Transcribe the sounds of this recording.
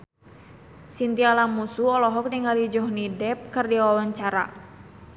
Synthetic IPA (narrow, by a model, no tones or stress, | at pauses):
sint̪ialamusuɔlɔɦɔk̚niŋalid͡ʒɔhnidɛp̚kərdiawawaɲt͡ʃaɾa̰